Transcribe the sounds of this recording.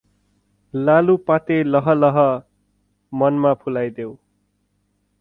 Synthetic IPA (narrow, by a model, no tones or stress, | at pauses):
lalupat̪elʌɦʌlʌɦʌ | mʌnmapʰulajd̪ew